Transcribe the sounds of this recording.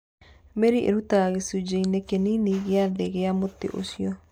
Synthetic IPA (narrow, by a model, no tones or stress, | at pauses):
meɾiʔḛɾutaɣesud͡ʑeinekeniniɣeaðeɣeamotḛʔo̰siɔ